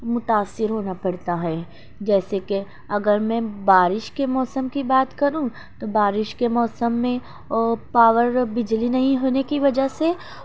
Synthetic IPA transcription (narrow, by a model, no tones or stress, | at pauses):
mʊt̪aːsːɪɾɦoːnapɐɽt̪aɦɛː | d͡ʒɛːseke | ɐɡəɾmɛ̃baːɾɪʃkemɔːsəmkibaːt̪kɐɾũ | t̪obaːɾɪʃkemɔːsəmːẽ | paːʋəɾbɪd͡ʒlinɐɦĩɦoːnekiʋɐd͡ʒəɦse